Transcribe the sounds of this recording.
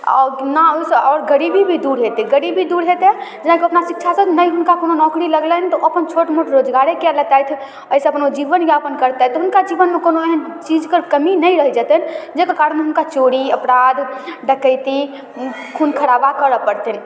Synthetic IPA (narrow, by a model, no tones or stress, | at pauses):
ɔ̰naoseɔːɾɡəɾibʱibʱid̪uɾɦet̪eɡəɾibʱid̪uɾɦet̪ed͡ʒənakiəpnasikt͡ʃʰasənəjɦʊnkakononɔːkɾiləɡlənt̪ɔʔəpənt͡ʃʰoʈmoʈɾod͡ʒɡaɾekelət̪ajt̪ʰ | əɪseəpnod͡ʒiʋənjeəpənkəɾt̪at̪ɔɦunkad͡ʒiʋənmekonoeɦənt͡ʃid͡ʒkəɾkəminəɾəɦd͡ʒət̪ənd͡ʒekekaːɾənmeɦʊnkat͡ʃoɽiəpɾad̪ʱɖəkəɪt̪i | kʰunkʰəɾabakəɾəpəɾt̪en